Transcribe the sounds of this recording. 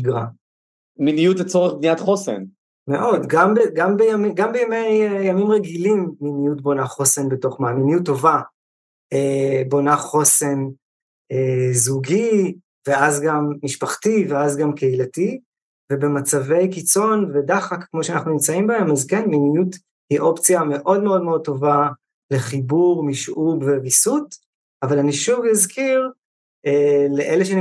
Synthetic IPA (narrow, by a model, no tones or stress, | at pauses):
iɡʁa̰ | minijutet͡soʁeχbniat̪χosḛn | me̞ʔo̞dɡambeɡambejamɡambejamejjamimʁeɡilimːinijut̚bo̞naχo̞se̞nbeto̞χmaaːminijutːo̞va | ebo̞naχo̞se̞n | ezuɡi | ve̞azɡamːiʃpaχtiveazɡamkeilati | ve̞be̞mat͡save̞jkit͡so̞nvedaχakkmo̞ʃeanaχnunimt͡saimbahe̞mazkenminijut | hiʔo̞pt͡sjame̞ʔo̞dme̞o̞dme̞o̞d̚to̞va | le̞χibuʁmiʃʔuɡvevisut | avalaniʃuvizkʰiʁ | eleʔeleʃean